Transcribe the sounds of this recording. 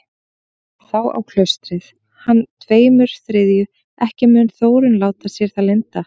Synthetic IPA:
θawa̰wkʰlœɥst̪ɾɪθ | hanːt̪ʰveːjmʏɾ̥θɾɪðjʏ | ʔɛhcɪmʏnθoːwɾʏnlaːwt̪asjɛɾ̥θalɪnt̪a

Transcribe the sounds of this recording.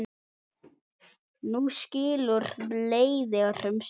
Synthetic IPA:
nusciːlʊɾleːjðɪar̥ʏms

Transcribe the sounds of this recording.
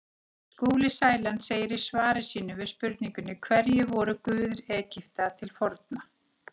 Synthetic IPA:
skoːlɪsaːjlant̪seːjɪɾisvaːɾɪsiːnʏvɪðspʏɾt̪̚niŋkʏnːɪkʰvɛɾjɛvɔːɾʏkʏːðɪɾɛːcɪft̪at̪ʰɪlfɔɾt̪̚na

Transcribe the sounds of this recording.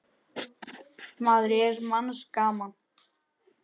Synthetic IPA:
maːðɾɪɛɾmanskaːman

